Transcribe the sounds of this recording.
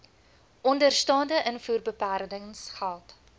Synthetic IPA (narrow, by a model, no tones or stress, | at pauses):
ʔɔndərstɑːndəʔənfuːrbəpæːrdəŋsχælˠt